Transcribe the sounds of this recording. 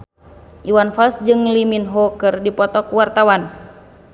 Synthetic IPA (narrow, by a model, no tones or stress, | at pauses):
ʔiwanfalsd͡ʒɨŋliminɦɔkɨrdipɔt̪ɔkwart̪awan